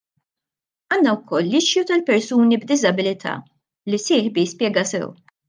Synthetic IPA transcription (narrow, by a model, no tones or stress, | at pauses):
ɐːnːɐwkʰɔlːɪʃjut̪ɐlpɛɾsuːnibd̪ɪzɐbɪlɪt̪ʰɐ̰ː | lisɪːħbijspjɛːɡɐsɛ̰w